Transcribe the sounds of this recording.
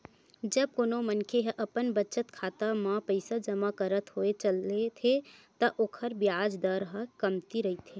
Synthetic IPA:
d͡ʒəb̚konomənkʰeɦʔəpənbət͡ʃət̪kʰat̪amapəɪsad͡ʒəmakəɾət̪ɦoet͡ʃəlet̪ʰet̪əʔoːkʰəɾbjad͡ʒd̪əɾɦəkəmt̪iɾəɦit̪ʰe

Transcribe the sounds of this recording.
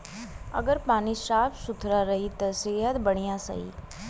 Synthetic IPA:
ɐ̰ɡəɾpaːniʃaːpsʊt̪ʰɾaɾɐɦit̪ɐsejət̪bəɽ̃ijãsɐ̰ɦḭ

